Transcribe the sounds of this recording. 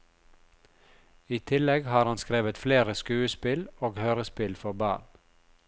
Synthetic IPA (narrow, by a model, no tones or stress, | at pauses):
iːt̪ʰɪlɛɡhɑːɾhɑnskɾeːʋət̪fleːɾəskʉːəspɪloːɡhøːɾəspɪlfɔbɑ̰ːɳ